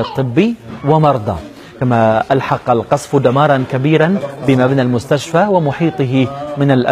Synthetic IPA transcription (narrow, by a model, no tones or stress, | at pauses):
ɑt̪ˤːɨbːiwɪmɑɾˤd̪ˤɑ̰ | kamaʔalħɑqɑlqɑsˤfd̪amɑːɾˤɑnkabiːɾanbɪmabnalmʊst̪aʃfaːwɪmʊħiːt̪ˤɨɦɪmɪnalʔa